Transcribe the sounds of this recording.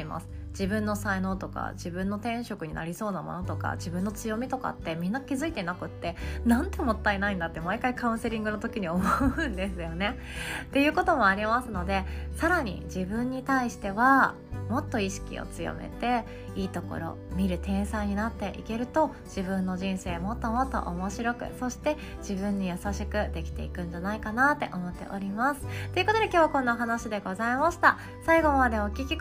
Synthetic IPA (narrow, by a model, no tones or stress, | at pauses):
ma̰sɨ̥ | d͡ʑibɯ̟̃nːo̞saino̞ːt̪o̞ka̰d͡ʑibɯ̟̃nːo̞t̪ẽ̞ɰ̃ɕo̞kɯ̟ɲ̟ina̰ɾʲiso̞ːnamo̞̰no̞t̪o̞ka̰d͡ʑibɯ̟̃nːo̞t͡sɨjo̞mʲit̪o̞ka̰t̪ːe̞mʲĩnːakʲizɨit̪enakɯ̟t̪ːe̞nãnt̪e̞mo̞t̪ːaenaĩnd̪at̪ːe̞maikaikãɯ̟̃ɰ̃se̞ɾʲĩŋɡɯno̞t̪o̞kʲiɲ̟iomoɯ̟̃nd̪e̞sɨjo̞ne̞ | t̪e̞jɯ̟ːko̞t̪o̞mo̞aɾʲimasɨno̞d̪e̞saɾaɲ̟ḭd͡ʑibɯ̟̃ɲ̟ːit̪aiɕi̥t̪e̞βa | mo̞t̪ːo̞iɕi̥kʲḭo̰t͡sɨjo̰me̞̰t̪e̞ | iːt̪o̞ko̞̰ɾo̞̰mʲiɾɯ̟t̪ẽ̞ɰ̃sãɲ̟inat̪ːe̞ʔḭke̞ɾɯ̟t̪o̞ | ʑ̥ibɯ̟̃nːo̞ʑĩɰ̃se̞ːmo̞t̪ːo̞mo̞t̪ːo̞̰ʔomo̞ɕiɾo̞kɯ̟̰so̞ɕi̥t̪e̞ | d͡ʑ̥ibɯ̟̃ɲ̟ːijasaɕikɯ̟d̪e̞kʲi̥t̪e̞̰ḭkɯ̟̃ɲ̟d͡ʑanaikanat̪ːe̞̰ʔo̞mo̞t̪ːe̞̰ʔo̞ɾʲimasɨ̥t̪ːo̞iɯ̟kot̪oekʲoːβakõ̞nːaoɦanaɕid̪e̞ɡo̞zaimaɕi̥t̪a | saiɡo̞mad̪e̞o̞kʲikʲi